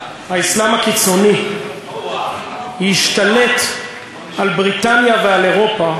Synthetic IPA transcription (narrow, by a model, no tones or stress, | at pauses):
haislamhakit͡so̞ni | hiʃt̪ale̞t | ʔalbʁitanjaveale̞ʁo̞pa